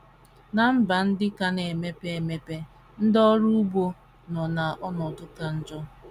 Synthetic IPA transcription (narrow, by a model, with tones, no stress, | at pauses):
na˨m̩˦ba˨n̩˦dɪ˦ka˨ne˨me˦pe˦e˨me˦pe˦ | n̩˦dɔ˦ɾu˦bo˦ | nɔ˨na˨ʔɔ˦nɔ˨dʊ˦ka˨n̩˦d͡ʒɔ˦